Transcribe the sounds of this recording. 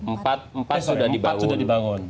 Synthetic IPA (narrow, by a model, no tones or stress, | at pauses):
mpat̪̚mpasudamdibat̪ŋsudahdibaŋʊn